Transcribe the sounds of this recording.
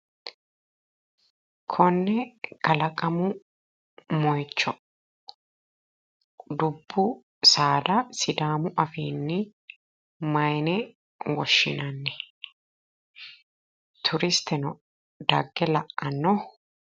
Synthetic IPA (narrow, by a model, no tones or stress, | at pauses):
kʰɔnːɛɡ̥ɐlɐkʼɐmʊ | mɔjt͡ʃːɔ | d̪ʊbːʊ | saːd̪ɐsɪd̪aːmʊʔɐfiːnːɪ | mɐjnɛ | wɔʃːɪ̰nɐnːɛ | t̪ʰʊɾɪst̪ɛnɔ | d̪ɐɡːɛlɐʔɐnːɔ